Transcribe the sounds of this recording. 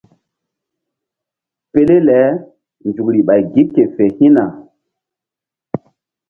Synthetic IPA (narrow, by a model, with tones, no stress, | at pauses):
pe˦le˦lɛ˨˦ | nd͡ʒu˨kɾi˨ɓa˨jɡi˦p̚ke˨fe˨hĩ˦na˨